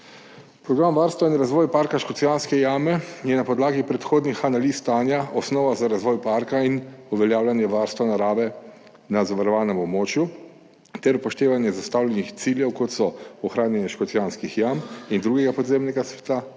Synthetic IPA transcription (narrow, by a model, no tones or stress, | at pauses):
pɾɔɡɾamʋaɾst̪ʋainɾazʋɔːjpaɾkaʃkɔt̪sijanskɛjaːmɛjɛnapɔd̪laːɡipɾɛt̪xoːd̪nixanaliːst̪aːnjaʔɔsnɔːʋazaɾazʋɔːjpaɾkainuʋɛljaːwlanjɛʋaɾst̪ʋanaɾaːʋɛ | nazaʋaɾɔʋaːnɛmɔbmoːt͡ʃju | t̪ɛɾupɔʃt̪eːʋanjɛzast̪awlʲɛnixt̪siljɛwkɔt̪sɔɔxɾaːnjɛnjɛʃkɔt̪sijanskixjamind̪ɾuːɡɛɡapɔd̪zemnɛɡasʋɛ̥t̪a